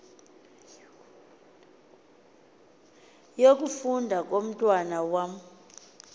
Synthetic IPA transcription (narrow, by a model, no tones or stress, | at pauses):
jok̬ʼufundʱak̬ʼom̩tʼwanawam̩